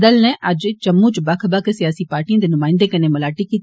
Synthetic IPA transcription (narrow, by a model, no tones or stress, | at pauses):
d̪əlnɛ̃ːʔəd͡ʒt͡ʃəmːũːt͡ʃbəkʰbəkʰsɪjaːsiːpaːɾʈiãːd̪eːnʊmãːɪ̃nd̪eːkəneːməlaːʈiːkiːt̪